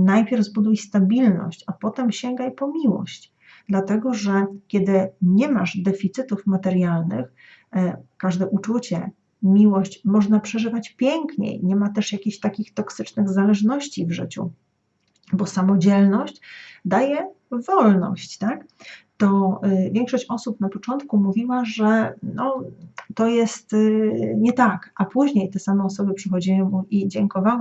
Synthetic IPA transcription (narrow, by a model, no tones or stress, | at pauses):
najpʲjɛɾvzbud̪ujst̪abʲilnɔ̰ɕt͡ɕapɔt̪ɛmɕɛŋɡajpɔmʲiwɔ̰ɕt͡ɕ | d̪lat̪ɛɡɔʐɛkʲjɛd̪ɘɲɛmaʐd̪ɛfʲit̪sɘt̪ufmat̪ɛɾʲjalnɘ̰x | kaʐd̪ɛʔut͡ʂut͡ɕɛ | mʲiwɔɕt͡ɕmɔʐnapʂɛʐɘvat͡ɕpʲjɛŋkɲḛjɲɛmat̪ɛʂjakʲiɕt̪akʲixt̪ɔksɘt͡ʂnɘɣzalɛʐnɔɕt͡ɕivʐɘ̰t͡ɕṵ | bɔsamɔd͡ʑɛlnɔɕt͡ɕd̪ajɛ | vɔlnɔ̰ɕt͡ɕt̪akt̪ɔvʲɛŋkʂɔɕt͡ɕɔsupnapɔt͡ʂɔnt̪kumuvʲiwaʐɛnɔt̪ɔjɛst̪ɲɛt̪akʔapuʑɲejt̪ɛsamɛɔs̬ɔbɘpʂɘxɔd͡ʑiwɘmuid͡ʑɛŋkɔvaw